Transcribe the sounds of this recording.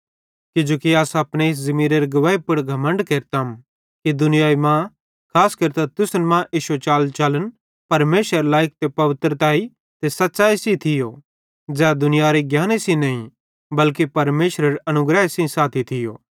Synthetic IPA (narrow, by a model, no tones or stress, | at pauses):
kɪd͡ʒoːkiaːsɐpɽ̃eɪs̬zɐmiːɾeɾeɡɐʋaːipʊɽɡʱɐmə̃ɳɖkeːɾt̪am | kid̪ʊnɪjaːimã | kʰaːskɐɾt̪at̪ʊsnmãʔiːʃot͡ʃaːlt͡ʃaːlən | pɐɾmeːsəɾlaːjɪk̚t̪epɐʋɪt̪ɾət̪aːi | t̪esɐt̪ːt͡ʃaːisĩt̪ʰɪjo | d͡zɛːd̪ʊnɪjaɾeɡjaːnesĩnɐĩ | bɐlkipɐɾmeːʃɾəɾɐnʊɡɾɛesĩsaːt̪ʰit̪ʰɪjo̰ː